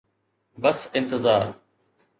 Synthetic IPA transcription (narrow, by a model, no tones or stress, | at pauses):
bɐsɪ̃nt̪ɪzaːɾ